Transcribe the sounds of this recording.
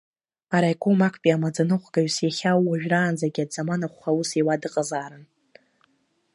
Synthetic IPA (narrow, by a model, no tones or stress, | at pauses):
aɾajkʷʼomakʷʰʼpʼiamad͡zanɨχʷɡaɥsjaχʲawːaʒᶣraːnd͡zaɡʲiadd͡zamanaχʷːausiwadɨqʼazaːɾɨn